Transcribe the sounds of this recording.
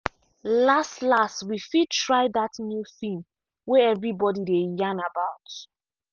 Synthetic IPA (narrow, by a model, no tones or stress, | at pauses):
lastlastwifid̚tʰɹaɪðatnjuθĩm | wɛɛvɹibɔdidejãnabaʊt